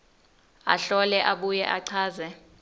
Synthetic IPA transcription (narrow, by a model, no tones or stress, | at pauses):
a̰ɬɔlɛʔaɓujɛʔaǀʰaːzɛ